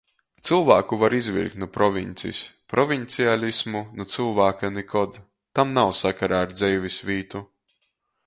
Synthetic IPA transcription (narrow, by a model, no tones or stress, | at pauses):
t̪sɨlˠvaːkuvaɾizvʲḭlʲk̪nupɾɔvʲinʲt̪sḭspɾʔɔvʲint̪sialʲismunut̪sɨlˠvaːkanɛkʰɔd̪ | t̪amnawsakaɾaːɾd̪zɛjvʲisʲvʲiːt̪u